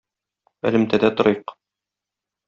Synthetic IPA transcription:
æ̰lɘ̆mt̪æd̪æt̪ŏɾɤjq

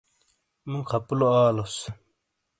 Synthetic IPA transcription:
mukʰɐpuloaːlos

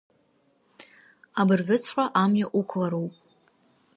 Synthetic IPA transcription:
abɨrɡɨt͡sʰħʷaʔamjaʔukʷʰlaɾowpʼ

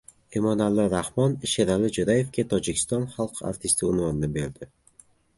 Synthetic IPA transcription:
emɒnalːɪɾahmɒnʃeɾalɪd͡ʒʊɾaje̞fkʲet̪ʰɒd͡ʒɪkʲʰɪ̥st̪ɒnχɑlˠqʰa̰ɾt̪ʰɪst̪ɪʊnvɒnnɪbe̞ɾd̪ɪ

